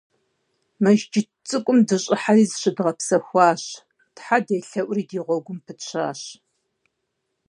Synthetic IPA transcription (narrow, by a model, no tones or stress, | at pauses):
mɐʒd͡ʒɪ | t͡sʼɨkʷʼʊmdɨɕʼɪħariːzɨɕɪdʁɐpsɐxʷɑːɕ | tħadeːɬɐʔʷʼriːdiːʁʷɔɡʷʊmpʰɨɕʷʰa̰ːɕ